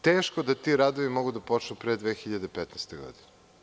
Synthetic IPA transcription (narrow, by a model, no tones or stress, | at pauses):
t̪eːʃkod̪at̪iɾad̪oʋimo̞ɡud̪apo̞t͡ʃnupɾed̪ʋeːxiʎad̪e̞pet̪nɛst̪eɡo̰d̪ine